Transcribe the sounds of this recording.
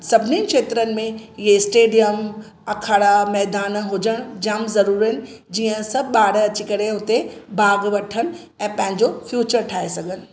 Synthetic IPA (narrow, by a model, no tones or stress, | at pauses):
sɐbʱɪninɪ̆kʃeːt̪ɾənɪ̆mẽɪɦeɪsʈeːɖijəm | ɐkʰaːɽamɛːd̪aːnɦʊd͡ʑəɽ̃d͡ʑaːmzɐɾuːɾɪnɪ̆d͡ʑiːə̃sɐbɓaːɽɐt͡ɕikɐɾeɦʊt̪ebaːɡʋɐʈʰəñɪ̆ | ɛ̃ːpɐ̃ɦɪ̃ɲd͡ʑofjuːt͡ɕəɾʈʰaːesɐɡʱənɪ̆